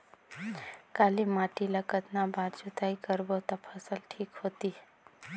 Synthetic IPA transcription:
kaːlimaːʈilɐkət̪nabaːɾt͡ʃut̪aːikəɾbot̪apʰɐsəlʈʰiːkhoːt̪iɦ

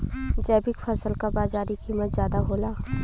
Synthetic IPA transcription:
d͡ʒɛːbɪkfʰəsəlkabaːzaːɾikiːmət̪zjaːd̪aɦoːlaː

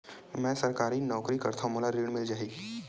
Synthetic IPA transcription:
mɛ̃ːsɐɾkaːɾinɔːkɾikɐɾt̪ʰamolaɾiːɽ̃mɪld͡ʒaːɦiː

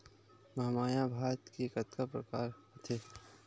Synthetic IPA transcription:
mɐɦmaːjabʱaːɾt̪kekət̪kapɾəkaːɾət̪ʰe

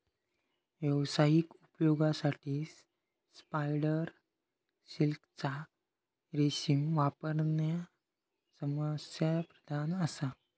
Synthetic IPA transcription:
ʋjəʋsajikupjoɡasaʈʰiːs | spajɽəɾ | ɕilkt͡sa | ɾeɕiŋʋapəɾnja | səməsjapɾəd̪ʱanəsa

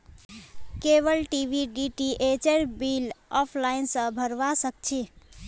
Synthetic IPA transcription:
keβəlʈibʱiɖiʈiʔet͡ʃeɾbilɔpʰlaɪnsə̃bʱəɾʋasək̚t͡ʃʰi

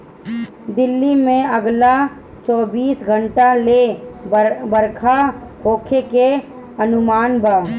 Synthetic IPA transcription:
d̪ɪlːimẽəɡla | t͡ʃɔːbiːsɡʱə̃ɳʈale | bəɾkʰakʰoːkʰeke | ənʊmaːnbʱaː

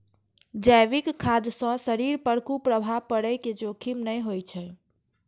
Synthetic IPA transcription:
d͡ʒəjʋikkʰːad̪sə̃səɾiɾpəɾkupɾəbʱaʋpəɽəjked͡ʒokʰimnəjɦojt͡ʃʰɛ

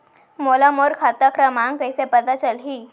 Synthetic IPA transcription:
molamoɾkʰat̪akɾəmãŋkəjsepəd̪at͡ʃəlɦi

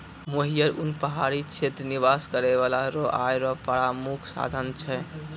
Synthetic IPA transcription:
moɦijəɾunpəɦaɾit͡ʃʰet̪ɾniβaskəɾeβalaɾɔʔajɾɔpəɾamukʰsa̰d̪ʱənt͡ʃʰɛ

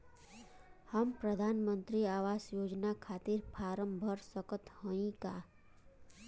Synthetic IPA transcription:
həmpɾəd̪ʱaːnmə̃nt̪ɾiaːʋaːsjoːd͡ʒnakʰaːt̪ɪɾpʰaːɾə̃mbʱəɾsəkət̪hə̃ĩkaː

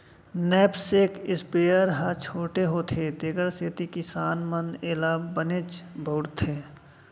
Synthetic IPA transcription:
nɛːpsekɪspeːəɾɦat͡ʃʰoːʈeɦoːt̪ʰed̪eɡəɾset̪ikɪsaːnməneːlaːbːənet͡ʃbʱoːɽt̪ʰeː

